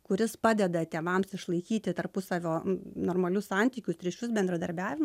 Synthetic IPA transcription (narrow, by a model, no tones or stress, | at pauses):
kʊɾʲɪspɑːd̪ʲɛd̪ɐt̪ʲeːʋɐmsɪʃlˠɐɪkʲiːt̪ʲɪt̪ɐɾpʊsɐʋʲoːnoːrmɐlʲʊssɐnʲt̪ʲiːkʲʊst̪ʲɾʲit͡ʃʲʊs̬bʲɛnd̪ɾɐd̪ɐɾʲbʲæːʋʲɪmɐ